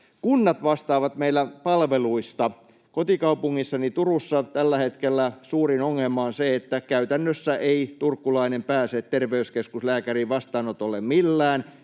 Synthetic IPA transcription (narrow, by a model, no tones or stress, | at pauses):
kunːɑt̪ʋɑst̪ɑːʋɑt̪meilːˑæpɑlʋeluist̪ɑ | kot̪ikɑupuŋːisːɑnit̪urusːɑt̪ælːæhet̪kelːæsuːrinoŋːelmːɑonseet̪ːækæyt̪ænːøsːæʔeit̪urkːulɑinempæːsett̪erʋeyskeskuslæːkæriʋɑst̪ɑːnot̪olːemmilːæːn